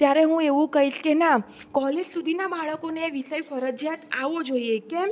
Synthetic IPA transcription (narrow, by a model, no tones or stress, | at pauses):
t̪jaɾeɦũeʋũkəɦit͡ʃkenakɔled͡ʒsud̪ʱinabaɭəkoneʋisəjfəɾəd͡ʒjat̪aʋod͡ʒojekẽ